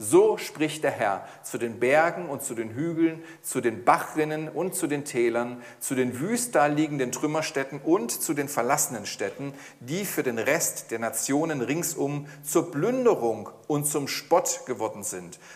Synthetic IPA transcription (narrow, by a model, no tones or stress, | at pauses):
zoːʃpʁ̥ɪçtd̥eːɐɦɛɐ | t͡sudeːnbɛɐɡŋ̩ʊntt͡sudeːnɦyːɡl̩n | t͡sudeːnbaχɪnənʊntt͡sudeːntʰɛːlɐn | t͡sudeːnvyːst̚d̥aːɐliːɡŋ̩dəntʁ̥ʏmɐʃtɛtn̩ʔʊntt͡sudeːnfɛɐlasənənʃtɛtn̩ | d̥iːfyːɐdeːnʁɛstd̥eːɐnat͡sjoːnənʁɪŋsʔʊm | t͡suːɐblʏndəʁʊŋʔʊntt͡sʊmʃpɔtɡ̥əvɔɐdn̩zɪnt